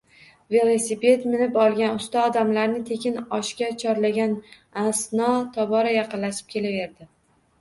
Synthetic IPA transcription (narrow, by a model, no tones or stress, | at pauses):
ve̞lˠosipe̞t̪mɪnɪpɒlˠɡʲanʊst̪aɒd̪amlaɾnɪt̪ʰe̞kʲʰɪnɒʃkʲat͡ʃʰɒɾlaɡʲan | asnɒt̪ʰɒbɒɾajɑqɨnlaʃɪ̥p̚kʲʰe̞lave̞ɾd̪ɪ